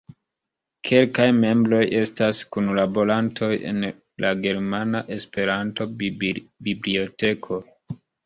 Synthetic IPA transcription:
kʰe̞lkajme̞mbɾo̞jʔe̞staskunlabo̞ɾantʰo̞je̞̰n | lʔaɡe̞ɾmanaʔe̞spe̞ɾanto̞ | biblio̞te̞kʰo̞

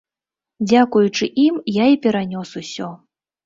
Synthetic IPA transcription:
d͡zʲakujut͡ʂɨʔimjaipʲɛɾanʲɔsusʲɔ

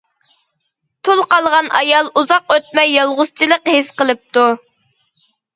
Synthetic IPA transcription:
t̪ʰulˠqɑlˠʁɑnɑ̰jɑlˠuzɑqøt̪̚mɛjːɑlˠʁʊzt͡ʃʰilˠəqhesqəlˠɨp̚t̪u

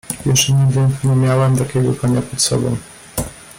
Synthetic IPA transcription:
jɛɛɲɛvʲɛŋkɲɛmʲjawɛmt̪akʲɛɡɔkɔɲapʂɛt̪sɔ̰bɔ̰̃w̃

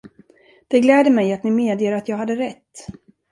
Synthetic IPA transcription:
d̪̥ɛɡlɛːd̪əmɛjat̪nɪmeːd̪jeːɾat̪jɑːɡɦad̪ːəɾɛt̪ː

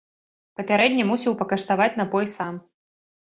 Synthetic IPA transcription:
pɐpʲaɾɛd̪ʲnʲɐmusʲiwpɐkɐʂt̪avat͡sʲnabɔjsam

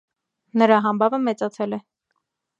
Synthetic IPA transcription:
nəɾɑɦɑmbɑvəmɛt͡sɑt͡sʰɛlɛ

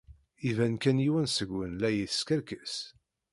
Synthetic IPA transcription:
ivænkænjiwænsəɡːənlæjiθə̥skəɾkəs

